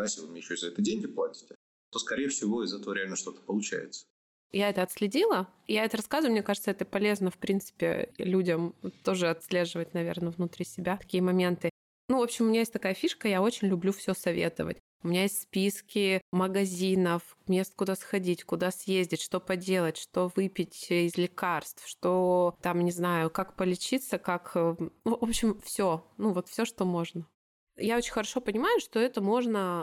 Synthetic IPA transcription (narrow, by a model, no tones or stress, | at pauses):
ajeslʲɪvɨmʲɲʲejɕoɪzɐɛt̪ədʲenŋʲɡʲɪplˠatʲɪ̥tʲɪ̥ | t̪oskɐɾʲejəfsʲɪvo̞ɪzɛt̪əvəɾʲɪalʲnəʂt̪o̞t̪ə̥pəlˠʊt͡ɕæ̰jɪ̰t̪sə̥ | jaɛt̪əɐt̪sʲlʲɪdʲilˠə | jaɛt̪əɾɐskazʊvjʊmnʲekaʐɨt̪səɛt̪əpɐlʲe̞znəfpɾʲint̪sɨ̥pʲɪ̰lʲudʲəmt̪o̞ʐɨɐt̪sʲlʲe̞ʐɨvətʲnɐvʲernəvnʊt̪ɾʲisʲɪbʲat̪ɐ̥kʲijəmɐmʲe̞nt̪ɨ | nuvo̞pɕːɪmʊmʲɪnʲajesʲt̪ɐkajəfʲiʂkəjao̞t͡ɕɪnʲlʲʊblʲufsʲɵsɐvʲḛt̪ɨ̰və̰tʲ | ʊmʲɪnʲajesʲtʲspʲiskʲɪməɡɐzʲinəf | mʲest̪kʊd̪asxɐdʲitʲkʊd̪asjezʲdʲɪtʲʂt̪o̞pɐdʲe̞lˠətʲʂt̪o̞vɨpʲɪtʲɪzlʲɪkarst̪fʂt̪ot̪amnʲɪznajʊkakpəlʲɪt͡ɕit̪səkak | opɕɪmfsʲonuvo̞t̪fsʲoʂt̪omo̞ʐnə | jaot͡ɕɪnʲxəɾɐʂo̞pənʲɪmajʊʂt̪o̞ɛt̪əmo̞ʐnə